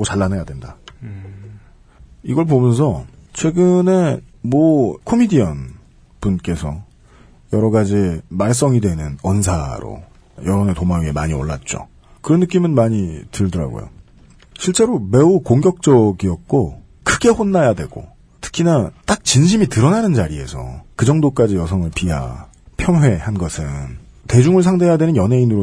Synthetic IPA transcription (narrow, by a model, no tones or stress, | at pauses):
ɡot͡ɕaɭːanejadwenda̰ | iɡʌɭpomjʌnsʰʌt͡ɕʰwe̞ɡɯne̞mʌkʰomidiʌn | punk͈e̞sʰʌ̰ | jʌɾʌɡad͡ʑimaɭs̬͈ʌŋidwe̞nɯnʌnsʰaɾo̰ | jʌɾonetomaiemaɲio̰ɭːa̰t̚t͡ɕ͈o̰ | kɯɾʌnːɯk͈imɯnmaɲitɯɭdʌɾa̰ɡo̰jo̰ | ɕʰiɭt͡ɕ͈e̞ɾome̞ukoŋɡjʌk̚t͡ɕ͈ʌɡiʌt̚k͈o | kʰɯɡe̞ɸonːajadwe̞ɡ̥o̰ | tʰɯ̥kʰinat͈ak̚t͡ɕinɕ̬ʰimitɯɾʌnanɯnt͡ɕaɾie̞̰sʰʌ̰kɯd͡ʑʌŋdok͈ad͡ʑijʌsʰʌŋɯɭpiɦa̰ | pʰjʌnɦwe̞hanɡʌsʰɯnte̞d͡ʑuŋɯɭsʰaŋde̞jadwe̞nɯnjʌne̞inɯɾo